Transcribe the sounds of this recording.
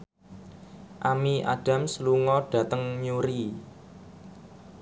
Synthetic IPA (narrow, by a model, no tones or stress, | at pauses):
ʔamiʔaɖ̥a̤msluŋɔɖ̥ä̤t̪əŋɲuɾi